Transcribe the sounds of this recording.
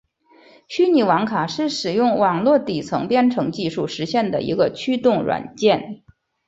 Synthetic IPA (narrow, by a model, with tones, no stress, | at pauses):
t͡ɕʰy˥ni˨˩wɑ˧˥ŋkʰa˨˩ʂɻ̩˥˩ʂɻ̩˨˩jʊ˥˩ŋwɑ˨˩ŋlwɔ˥˩t̪i˨˩t͡sʰɤ˧˥ŋpjɛ˥nʈ͡ʂʰɤ˧˥ŋt͡ɕi˥˧ʂu˥˩ʂɻ̩˧˥ɕjɛ˥˩nd̪ə̰˩ḭ˧˥ɡə˧t͡ɕʰy˥t̪ʊ˥˩ŋɻwa̰˨˩nt͡ɕjɛ˥˩n